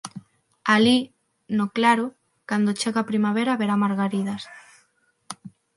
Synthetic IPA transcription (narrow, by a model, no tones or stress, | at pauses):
ali | noklaɾʊ | kand̪ot͡ʃeɣapɾimaβeɾaβeɾamaɾɣaɾiðas